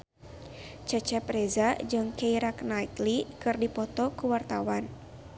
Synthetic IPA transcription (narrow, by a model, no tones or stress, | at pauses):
t͡ʃat͡ʃɛprɛzad͡ʒɨŋkɛiɾaknait̪likɨrdipɔt̪ɔkuwart̪awan